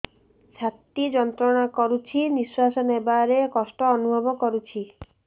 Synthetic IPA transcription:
t͡ʃʰat̪id͡ʒɔnt̪ɾɔɽ̃akɔɾut͡ʃʰiniswasɔnebaɾekɔsʈɔːnubʱɔbɔkɔɾut͡ʃʰi

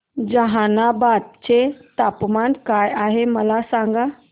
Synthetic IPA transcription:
d͡zəɦanabad̪̚t͡ɕet̪apmankajaɦeməlasaŋɡa

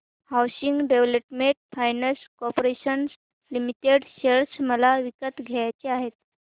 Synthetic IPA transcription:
hawɕiŋɡɖeʋləpmeɳʈ̚fajnəskɔpoɾeɕəns | limiʈeɖɕeɭsməlaʋikət̪ɡʱejat͡ɕeaɦet̪̚

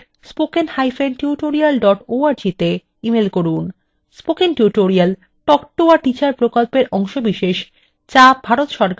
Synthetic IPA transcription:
spokenhajfenʈuʈoɾialɖɔʈoaɾd͡ʑit̪e | imelkoɾun | spokenʈuʈoɾial | ʈɔkʈoaʈit͡ɕaɾpɾokolpeɾʔɔŋʃobiʃeʃ | t͡ɕabʱaɾot̪ʃɔɾk

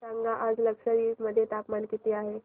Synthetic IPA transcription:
saŋɡaʔad͡zləkʂəɾiməd̪ʱːjet̪apmankit̪eaɦe

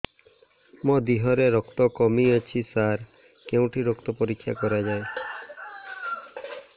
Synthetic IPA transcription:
mod̪iɦɔɾeɾɔkt̪ɔkɔmiɔt͡ʃʰisaɾ | keũʈʰiɾɔkt̪ɔpɔɾikʰːja̰kɔɾad͡ʒae

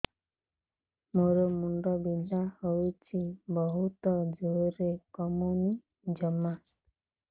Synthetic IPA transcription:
moɾomuɳɖɔbinahojt͡ʃʰibɔɦut̪ɔd͡ʒoɾekɔmuni | d͡ʒɔma

